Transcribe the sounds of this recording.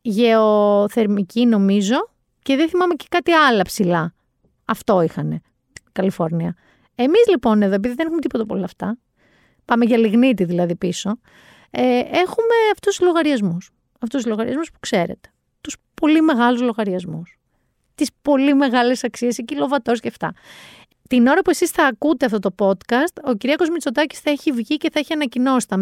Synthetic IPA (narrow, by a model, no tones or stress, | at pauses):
ʝeoθe̞ɾmicino̞mizo̞ | ce̞ðeθimɐme̞ce̥kɐt̪iɐlɐpsilɐ | ɐft̪o̞ixɐne̞ | kɐlifo̞ɾniɐ | emizlipo̞ne̞ðo̞ep̬iðiðenexumet̪ipo̞t̪ɐpo̞̰lɐːft̪ɐ | pɐme̞ʝɐliɣnit̪iðilɐðipiso̞ | eexume̞ɐft̪ust̪lo̞ɣɐɾiɐzmus | ɐft̪usuzlo̞ɣɐɾḭɐ̰zmuspu̥kse̞ɾḛt̪e̥ | t̪uspo̞lime̞ɣɐluzlo̞ɣɐɾiɐzmus | t̪ispo̞lime̞ɣɐle̞sɐksie̞secilo̞vɐt̪o̞sceft̪ɐ̰ | t̪ino̞ɾɐpue̞sisθɐːkut̪eɐft̪ot̪o̞po̞t̪kɐst̪o̞ciɾiɐko̞zmit͡so̞t̪ɐci̥sθɐiçivʝice̞θɐiçiɐnɐcino̞si̥t̪ɐ